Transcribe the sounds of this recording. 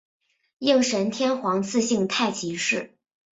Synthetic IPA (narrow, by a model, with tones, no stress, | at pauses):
jɤ˥˩ŋʂə˧˥nt̪ʰjɛ˥nxwɑ˧˥ŋt͡sʰɹ̩˥˧ɕi˥˧ŋt̪ʰa˥˩ɪt͡ɕʰi˧˥ʂɻ̩˥˩